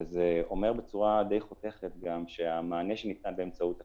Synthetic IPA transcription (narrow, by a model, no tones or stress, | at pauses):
zeo̞me̞ʁbet͡suʁad̪e̞jχote̞χet̪̚ɡamʃe̞amaːneʃenit̪anbeːmt͡saut̪a